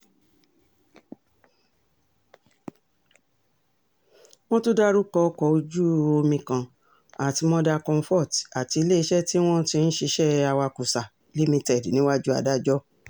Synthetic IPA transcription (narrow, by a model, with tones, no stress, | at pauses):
w̃ɔ̃˦tu˦da˦ɾu˦kɔ˧˦kɔ˧o˧d͡ʒu˦o˧mĩ˧kã˨ | a˨ti˨˧mɔ̃˧da˧kɔ̃˧m̩˧fɔ˦˨ta˨ti˧i˧le˦i˧˦ʃɛ˦ti˦w̃ɔ̃˦tĩ˧n̩˦ʃi˧ʃɛ˦a˧wa˧ku˨sa˨ | li˦mĩ˧tɛ˦˨dnĩ˨˦wa˦d͡ʒu˦a̰˧˨da˦˨d͡ʒɔ˦